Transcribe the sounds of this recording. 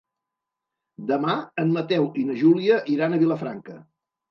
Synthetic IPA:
d̪əmaəmmət̪ɛwinəʒuliəʔiɾanəβiləfɾa̰ŋkə

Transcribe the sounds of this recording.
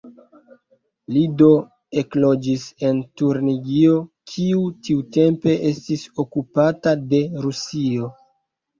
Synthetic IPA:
lido̞ | e̞klo̞d͡ʒise̞ntuɾniɡio̞kʰiutiute̞mpe̞ʔe̞stiso̞kupatade̞ɾusio̞

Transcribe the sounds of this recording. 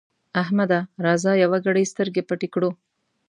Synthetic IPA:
ɐɦmɐd̪ɐɾɐːzaːjɐʋɐɡɐɽejst̪ʰɐɾɡepɐʈikɽu

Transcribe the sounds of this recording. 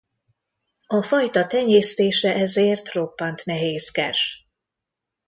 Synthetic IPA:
ɒfɒjt̪ɒt̪ɛɲeːst̪eːʃɛʔɛzeːrt̪ro̞pːɒnt̪nɛɦeːskɛʃ

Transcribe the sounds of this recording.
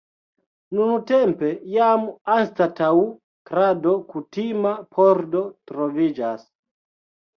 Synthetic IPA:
nunutempe̞jamanstatau | kɾado̞kutimapʰoɾdo̞tɾovid͡ʒas

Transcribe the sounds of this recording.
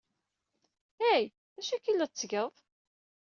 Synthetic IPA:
æj | æʃækilːæt͡sːɡəðˤ

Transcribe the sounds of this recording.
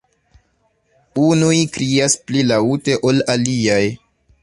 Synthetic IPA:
unujkɾiasplilaute̞ʔo̞laliaj

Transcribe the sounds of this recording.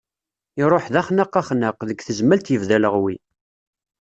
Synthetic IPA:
ɪɾˤoħðæχnəqːæχnəqðəɡθəzmælt̪jəvðæləʁwi

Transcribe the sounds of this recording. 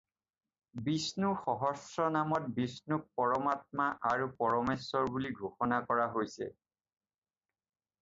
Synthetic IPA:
bisnuxɔɦɔsɹɔnamɔt̚bisnuk̚pɔɹɔmat̚maʔaɹupɔɹɔmesːɔɹbuliɡʱoxɔnakɔɹaɦojsɛ̰

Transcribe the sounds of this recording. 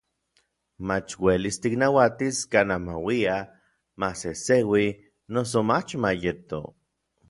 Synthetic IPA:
mat͡ʃwelist̪iknawat̪iskaːnamawia | masesewi | nos̬omat͡ʃmajet̪o̰

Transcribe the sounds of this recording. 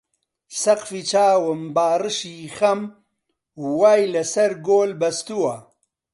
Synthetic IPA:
sɐqfit͡ʃaːwɨmbaːrɨʃiːxɐm | waːjlɐsɐɾɡoːlbɐst̪uwɐ

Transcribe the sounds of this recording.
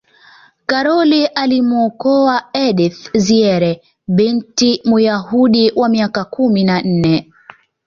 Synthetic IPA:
kaɾɔliʔalimuɔkɔaɛɗiθziɛɾɛ | ɓintimujahuɗiwamiakakuminan̩nɛ

